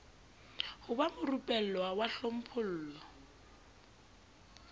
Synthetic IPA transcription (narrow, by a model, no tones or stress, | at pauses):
hʊbamʊrupʼɛl̩lwawaɬom̩pʰʊl̩ːlɔ